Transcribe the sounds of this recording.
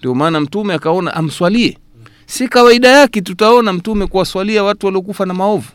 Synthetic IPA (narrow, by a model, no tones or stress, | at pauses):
ndiɔmaːnam̩tumɛakaɔna̰ʔam̩swaliɛ | sikawaiɗajakɛt̬utaɔnam̩tumɛkuwaswaliawatuwaliɔkufanamaɔvu